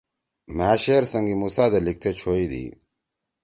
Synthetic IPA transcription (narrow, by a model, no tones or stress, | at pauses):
maːɕeːɾsɐŋɡimusaːd̪ɐlik̚t̪ʰet͡ɕʰoːiːd̪ḭː